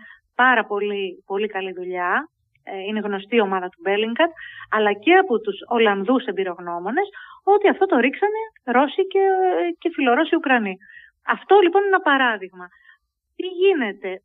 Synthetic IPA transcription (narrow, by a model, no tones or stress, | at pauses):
pɐɾɐpo̞lipo̞likɐliðuʎɐ | ine̞ɣno̞st̪io̞mɐðɐt̪ube̞liŋɡɐd̪̚ɐlɐce̞ɐpot̪uso̞lɐnðuse̞mbiɾo̞ɣno̞mo̞ne̞so̞t̪iɐft̪o̞t̪o̞ɾiksɐne̞ɾo̞sicece̞filo̞ɾo̞siukɾɐni | ɐft̪o̞lipo̞nenɐpɐɾɐðiɣmɐ | t̪iʝine̞t̪e̞